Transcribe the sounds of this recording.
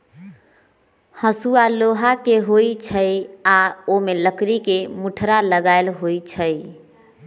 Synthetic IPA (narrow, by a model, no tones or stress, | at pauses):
həsualoɦakeɦoit͡ʃʰəjaomeləkɾikemuʈʰɾaləɡaɪlɦojt͡ʃʰəj